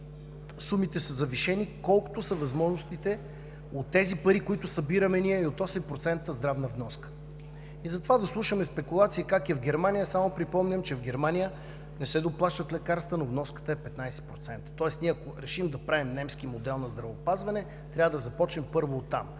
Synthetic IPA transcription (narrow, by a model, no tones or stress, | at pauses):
sumit̪ɛsəzɐviʃɛnikɔlˠkʊ̥t̪osɐvɐzmɔʒnʊst̪it̪ɛ | ot̪ːɛzipɐɾikoit̪ʊsɐbiɾɐmɛniɛiot̪ɔsɛmpɾot̪sɛnt̪əzd̪ɾavnɐvnɔskə̥ | izɐt̪ovad̪ɐslˠuʃəmɛspɛkulˠat̪siikakɛvɡ̟ɛɾmanʲijəsamopɾipɔmnʲɐmt͡ʃɛvɡɛɾmanʲijə | nɛsɛd̪oplˠaʃt̪ət̪lɛkaɾst̪vənovnɔskə̥t̪əɛpɛt̪najsɛ̥pɾot̪sɛnt̪ə̥t̪ɔɛsniɛɐkoɾɛʃimd̪ɐpɾavimnɛmskimod̪ɛlˠnɐzd̪ɾɐvəopazvɐnɛ | t̪ɾʲavəd̪ɐzɐpɔt͡ʃnɛmpɤɾvoːt̪ːa̰m